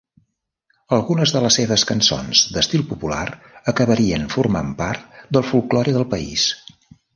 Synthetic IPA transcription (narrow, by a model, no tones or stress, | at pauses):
əlˠɣunəzðələsːeβəskənso̰nz̥d̪əst̪ilˠpupula̰ɾ | əkəβəɾiənfurma̰mpart̪̚d̪əlˠfulˠklɔɾiðəlˠpəḭs